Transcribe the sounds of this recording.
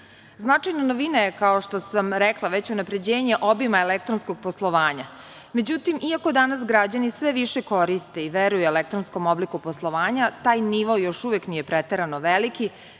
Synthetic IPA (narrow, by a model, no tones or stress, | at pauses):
znat͡ʂajnanoʋinaje̞kaoʃt̪o̞samɾeklˠaʋe̞t͡ɕunapɾe̞d͡ʑeːɲe̞ʔobimaelek̚t̪ɾonskoɡ̚poslˠoʋaːɲa | me̞d͡ʑut̪imʔiako̞d̪anasɡɾad͡ʑanisʋeʋiʃeko̞ɾist̪e̞iʋeɾujuelek̚t̪ɾonsko̞mo̞blikuposlˠo̞ʋaːɲat̪aːjniʋojo̞ʃuʋeknije̞pɾet̪eɾanoʋeliki